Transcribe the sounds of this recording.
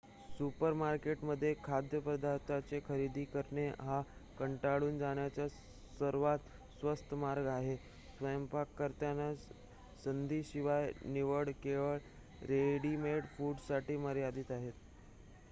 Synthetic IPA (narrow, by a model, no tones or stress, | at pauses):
supəɾmaɾkeʈməd̪ʱːjekʰad̪ʱjəpɾəd̪ʱaɾt̪at͡sekʰəɾid̪ʱiːkəɾɳeɦakəɳʈaɽuːnd͡zaɽ̃jat͡ɕja | səɾʋat̪ | sʋəst̪ʰəmaɾɡaɦe | sʋəjəmpakːəɾt̪jana | sənd̪ʱiːɕiʋajniʋəɽkeʋəɭ | ɾeɽimeɽfuɖsaʈiːməɾijad̪iːt̪aɦet̪